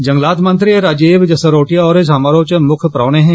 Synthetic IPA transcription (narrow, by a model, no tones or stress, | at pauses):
d͡ʒɐ̃ŋɡlaːt̪mɐ̃nt̪ɾieɾaːd͡ʒeːʋd͡ʒɐsəɾoːʈijaɔːɾed͡ʒɐmaːɾoːt͡ʃəmʊkʰpɾaːɽ̃eɦɛ̃